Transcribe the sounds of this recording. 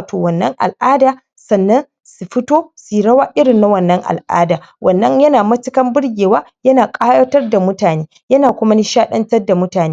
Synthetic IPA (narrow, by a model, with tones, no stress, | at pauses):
tʰoː˨wɐ˨nːɐ˦ŋʔa̰˨lʔaː˦daː˨ | sɐ˨nːɐ˦n | su˨ɸɪ˦toː˦si˨ɽɐ˦waː˦ʔɪ˦ɽɪ˨nːa˦wɐ˨nːɐ˦ŋʔa̰˨lʔa̰ː˦daː˨ | wʔɐ˨nːɐ˦ɲjɐ˦naː˨mɐ˦t͡ʃɪ˦kɐ˦mbʊ˦rɡʲeː˨waː˦jɐ˦naː˨kʼaː˦jɐ˦tɐ˦rda˨mʊ˦taː˨neː˦ | jɐ˦naː˨kʷʊ˦ma˦ni˦ʃaː˦ɗɐ˦ntɐ˦rda˨mʊ˦taː˨neː˦